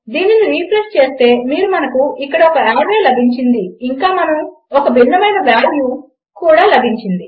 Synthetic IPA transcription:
d̪iːniniɾiːpʰɾest͡ʃe̞ːst̪e̞ːmiːɾumɐnɐkuikːɐɽɐɔkɐaːɾeːlɐbʱiɲt͡ʃind̪iːŋkaːmɐnɐmɔkɐbʱiɳːɐmɐjnɐʋaːɽʋjuː | kuːɽaːlɐbʱiɲt͡ʃind̪i

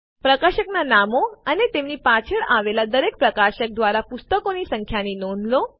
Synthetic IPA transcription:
pɾəkaɕəknanamoənet̪emnipat͡ɕʰeɭaʋelad̪əɾek̚pɾəkaɕək̚d̪ʋaɾapust̪əkonisəŋkʰjaninoɳlo

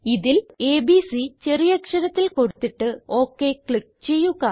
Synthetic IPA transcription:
iðile̞ːbisit͡ɕerijɐkʂɐɾɐt̪ːilko̞ɽut̪ːiʈːɨo̞ːkːekɭik̚t͡ɕe̞jːuɣɐ

